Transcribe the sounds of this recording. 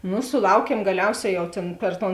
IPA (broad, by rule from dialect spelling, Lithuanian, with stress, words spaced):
ˈnʊ sʊˈlˠɐʊkʲiɛm ɡɐˈlʲɛʊˌsʲɛː jɛʊ ˈtʲeːn pʲɛr ˈtoːn